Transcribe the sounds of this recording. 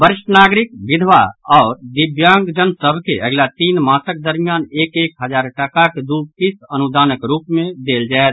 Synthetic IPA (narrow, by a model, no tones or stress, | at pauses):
bəɾɪʃənaːɡɾɪk̚ʋɪd̪ʱʋa̰ɔːɾd̪ɪbjãːŋɡd͡ʒənsəbʱkeʔəɡlat̪iːnmaːsək̚d̪əɾmijaːneːkeːkɦəd͡ʒaːɾʈəkaked̪uːkisənud̪aːnəkɾuːpmẽd̪eːld͡ʒaːɛt̪